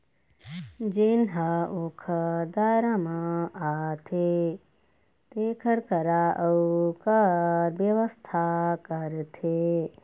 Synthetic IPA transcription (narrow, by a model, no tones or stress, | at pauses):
d͡ʒenɦəokʰəd̪aːɾamãat̪ʰe | t̪ekʰɐɾkɐɾaʔəwkaɾʋjɐʋəst̪ʰakəɾt̪ʰe